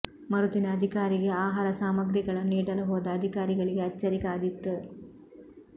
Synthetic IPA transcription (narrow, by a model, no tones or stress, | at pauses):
mɐɾud̪inɐːd̪ʱikaːɾiɡe̞aːɦaːɾɐsaːmɐɡɾiɡɐɭɐniːɽɐluɦoːd̪ɐːd̪ʱikaːɾiɡɐɭiɡeɐt͡ʃːɐɾikaːd̪it̪ːu